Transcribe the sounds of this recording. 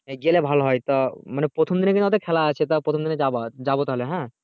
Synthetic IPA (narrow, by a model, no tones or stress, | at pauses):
eɡelebʱalɦɔjt̪ɔmanepɾot̪ʰɔmd̪inekinɔt̪ekʰɛlaət͡ʃʰet̪ɔpɾot̪ʰɔmd̪ind͡ʒad͡ʒabot̪ɔɦleɦɛ̃